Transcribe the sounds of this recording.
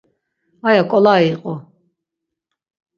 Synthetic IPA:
ajakʼɔlaiqʼɔ

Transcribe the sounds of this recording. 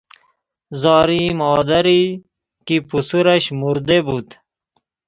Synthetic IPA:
zaːɾimoːd̪ɐɾi | kipusuɾɐɕmuɾd̪ebut̪

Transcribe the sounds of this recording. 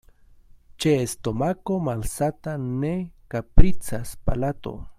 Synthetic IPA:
t͡ʃeːst̪omakomalsat̪anekapɾit͡saspa̰lat̪o̰

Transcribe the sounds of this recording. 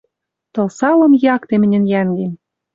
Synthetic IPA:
t̪ɤ̆lsɑlɤ̆mjɑkt̪emɘ̆nʲɘ̆njæŋɡem

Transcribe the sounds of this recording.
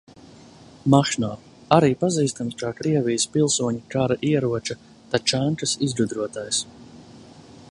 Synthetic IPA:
maʃnaː | aɾiːpaziːst̪amskakɾiɛvijspilˠsuɔɲikaɾaʔiɛɾuɔt͡ʃa | t̪at͡ʃaŋkasizɾud̪ɾuɔt̪ajs

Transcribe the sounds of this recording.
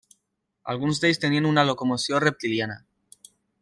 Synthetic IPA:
a̰lɣunzd̪ejst̪e̞nianunalo̞ko̞mosjonre̞p̚t̪iljana̰

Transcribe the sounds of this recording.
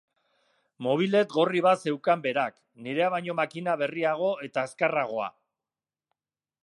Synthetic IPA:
mo̞β̞ile̞t̪ɣo̞riβ̞ase̞wkambe̞ɾak | niɾe̞aβajɲo̞makinaβe̞riaɣ̞o̞e̞t̪ae̞skeraɣ̞o̞a̰

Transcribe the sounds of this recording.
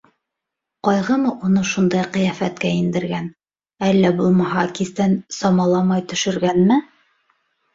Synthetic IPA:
qɒjʁɤmɤʔunɤʃund̪ɑjqɤ̆jæfæt̪kæind̪ɘ̆ɾɡæn | ælːæbulˠmɑɦɑkiθt̪ænsɒmɑlˠɑmɑjt̪ɵ̆ʃɘ̆ɾɡænmɘ

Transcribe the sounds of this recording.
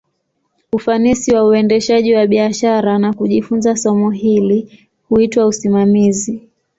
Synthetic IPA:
ufanisiwauɛndɛʃaʄiwaɓiaʃaɾanakuʄifunzasɔmuɦili | huitwausimamizi

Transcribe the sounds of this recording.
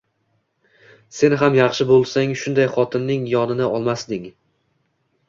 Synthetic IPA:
se̞nɦamjɑχʃɪbolˠsaŋʃʊnd̪ajχɒt̪ʰɪnːɪŋjɒnɪnɪɒlˠmasd̪ɪŋ

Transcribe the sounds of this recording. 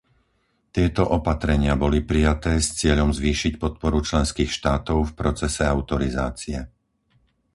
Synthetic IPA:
t̪ɪɛt̪ɔʔɔpat̪ɾɛɲɪabɔlipɾijat̪ɛːst͡sɪɛʎɔmzʋiːʃicpɔt̪̚pɔɾut͡ʃlɛnskiːxʃt̪aːt̪ɔʊfpɾɔt͡sɛsɛaʊt̪ɔɾiza̰ːt͡siɛ

